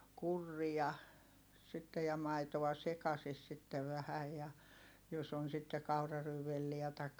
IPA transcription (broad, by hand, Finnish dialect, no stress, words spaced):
kurːiɑ sitːej jɑ mɑitoʋ̆ɑ sekɑsis sitːeʋ ʋæhæj jɑ jos on sitːe kɑurɑryːʋelːiæ tɑikːɑ